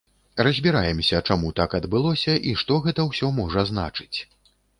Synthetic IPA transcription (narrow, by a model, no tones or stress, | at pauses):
rɐzʲbʲiɾajɛmsʲɐt͡ʂamut̪akɐd̪bɨlˠɔsʲɐʔiʂt̪ɔɣɛt̪ɐwsʲɔmɔʐɐzna̰t͡ʂɨ̥t͡sʲ